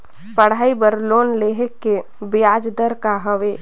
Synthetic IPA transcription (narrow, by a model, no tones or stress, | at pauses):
pəɽ̤aːibəɾloːnleɦəkːe | bɪjaːd͡ʒd̪əɾkaɦəʋeː